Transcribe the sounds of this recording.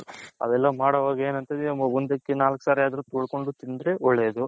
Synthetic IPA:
ɐ̰ʋɛlːɐmaːɽɐʋaːɡɐeːnɐnt̪ɐd̪mɐbund̪ɐkːenaːlksaːɾiaːd̪ɐɾuːt̪oːɭko̞ɳɖut̪ind̪ɾeʔɔɭːeːd̪u

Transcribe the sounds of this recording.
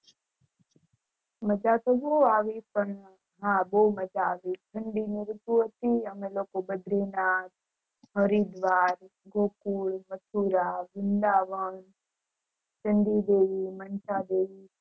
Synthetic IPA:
məd͡ʒaːt̪oboaːʋipən | ɦãːbomɐd͡ʒaːʋiːtʰəɳɖiniɾut̪uɦət̪iəmẽloːkobəd̪ɾeːnaːt̪ | ɦəɾid̪ʋaːɾɡʱoːkuːɭmət̪ʰuːɾaːbɪnd̪aːʋən | t͡ʃəɳɖid̪eːimənt͡ʃad̪eːi

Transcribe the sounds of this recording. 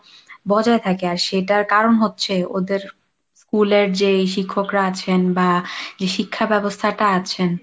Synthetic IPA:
bɔd͡ʑaet̪ʰakeaɾʃeʈaɾkaɾonɦotːɕʰeod̪eɾ | skuleɾd͡ʑeʃ̬ikʰːokɾaat͡ɕʰenbad͡ʑeʃikʰːabɛbost̪ʰaʈaat͡ɕʰen

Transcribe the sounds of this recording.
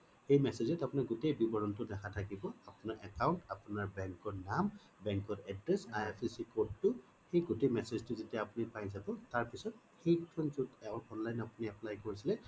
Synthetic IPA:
xejmɛsezɛtapʊnaɡutejbibɔɹɔntʊdɛkʰatʰakibɔapʊnaɹʔɛkawntapʊnaɹbɛŋkɔɹnam | bɛŋkɔɹɛdɹɛsajɛpʰisikodːʊ | xejɡutejmɛseztʊzitiaapunipajzabɔtaɹpisɔt̚ | xejkʰɔnzutɛɔɹɔnlajnapuniaplajkoɹisilɛ

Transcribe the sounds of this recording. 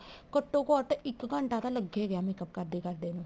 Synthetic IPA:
kəʈːõːkɔːɾʈɪkɡəɳʈaːt̪aːləɡːeːɡjaːmɛ̃ːkəp̚kəɾd̪eːkəɾd̪eːnũː

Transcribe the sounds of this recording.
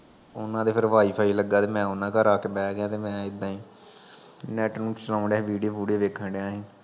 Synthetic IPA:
ʊ̰nãːd̪eːpʰɪɾʋaːiːpʰaːiːləɡːaːt̪eːmɛ̃ːʊnãːkəɾaːkeːbɛːɡɪjãːt̪eːmɛ̃ːɪd̪ːãːiː | nɛːʈnũːt͡ʃəlãːɳɖɛʋiːɖioːpuːɽeːʋeːkʰəɳɖeãːɦẽː

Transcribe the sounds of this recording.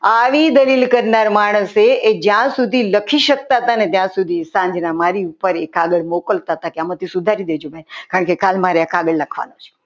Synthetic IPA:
aʋid̪əlilkəɾnaɾmaɽ̃əseʔed͡ʒjãsud̪ʱiləkʰiʃək̚t̪aɦət̪anet̪jãsud̪ʱisãɲd͡ʒnamaɾiupəɾekaɡəɽmokəlt̪aɦət̪akeamat̪ʰisud̪ʱaɾid̪ed͡ʒobɛnkaɾəɳkekalmaɾeakaɡəɽləkʰʋa̰not͡ʃʰe̥

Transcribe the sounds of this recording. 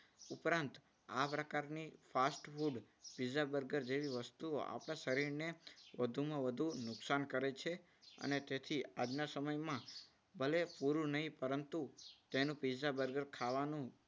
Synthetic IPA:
ʊpɾãnt̪ | apɾəkaɾnifasʈfuɖ | pizabəɾɡəɾd͡ʒeʋiʋəst̪uo̰ʔa̰pɽ̃asəɾiɾneʋəd̪ʱumãʋəd̪ʱunʊksankəɾet͡ʃʰe | ə̰net̪et̪ʰiad͡ʒnasəməjmã | bəlepuɾunəɦĩpəɾənt̪ut̪enũpizabəɾɡəɾkʰaʋanũ

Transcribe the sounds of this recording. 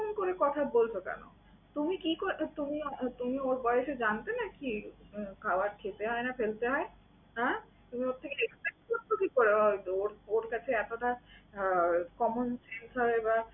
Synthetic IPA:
nkoɾekɔt̪ʰabolt͡ɕʰokɛ̰no̰ | t̪umikikot̪umit̪umioɾbɔeeʃed͡ʑant̪enakikʰaoaɾkʰet̪eɦɔenafelt̪eɦɔe | ɦɛ | t̪umioɾt̪ʰekeekat̪aookikoɾeoɾoɾkat͡ɕʰeɛt̪oʈa | kɔmonsensɦɔeba

